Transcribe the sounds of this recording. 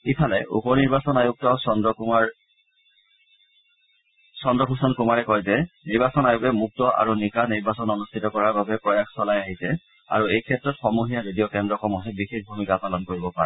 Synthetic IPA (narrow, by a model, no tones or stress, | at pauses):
ipʰalɛʔṵpɔniɹbasɔnajuk̚tɔsndɔma | sɔndɔkusɔnkumaɹɛkɔjzɛniɹbasɔnajukɛmuk̚tɔʔa̰ɹunikaniɹbasɔnɔnustʰitɔkɔɹaɹbabɛpɹɔjaxsɔlajaɦisɛ | a̰ɹuejkʰɛtɹɔtxɔmuɦijaɹedijɔkɛndɹɔkɔmɔɦɛbixexbʱumikapalɔnkoɹibɔpaɹɛ̰